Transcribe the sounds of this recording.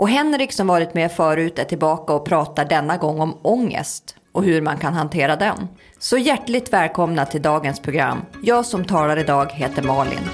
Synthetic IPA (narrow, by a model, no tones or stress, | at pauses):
ʔɔɦɛnɾɪksɔmvɑːɾɪt̪meːfœːɾʉ̟ːt̪ɛt̪ʰːɪlbɑːkaɔpʰɾɑːt̪aɖɛnːaɡɔŋːɔmɔŋːə̰st̪ | ɔhɵɾmankʰanɦant̪ʰeːɾad̪ɛn | sɔjæʈːɭɪɡ̚t̪vɛːlkʰɔmnat̪ʰɪld̪ɑːɡənspʰɾʊɡɾa̰mːjɑːɡsɔmt̪ʰɑːlaɾɪd̪ɑːɡɦeːt̪əɾmɑːlɪ̰n